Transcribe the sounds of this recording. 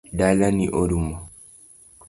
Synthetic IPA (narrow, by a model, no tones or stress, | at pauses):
dalaniʔoɾumɔ